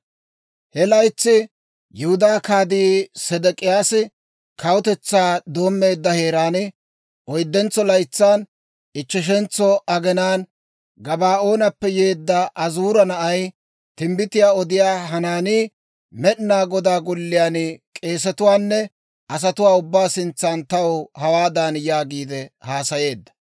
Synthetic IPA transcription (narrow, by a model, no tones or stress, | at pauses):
hɛlɐjt͡sːɪ | jʊhʊd̪aːkaːd̪iːsɛd̪ɛkʼɪjaːsɪ | kɐwʊt̪ɛt͡sːaːd̪o̞ːmːe̞ːd̪ːɐhe̞ːɾaːnɪ | ʔɔjd̪ːɛnt͡sːɔlɐjt͡sːaːn | ɪt͡ʃːɪʃ̬ɛnt͡sːɔʔɐɡɛnaːn | ɡɐbaːo̞ːnɐpːɛje̞ːd̪ːɐʔɐzuːɾɐnɐʔɐj | t̪ɪmbɪt̪ɪjaːɔd̪ɪjaːɦɐnaːniː | mɛɗnaːɡɔd̪aːɡɔlːɪjaːnkʼe̞ːs̬ɛt̪ʊwaːnːɛ | ɐs̬ɐt̪ʊwaːʊbːaːsɪnt͡sːaːnt̪ɐwhɐwaːd̪aːnjaːɡiːd̪ɛhaːsɐje̞ːd̪ːɐ̥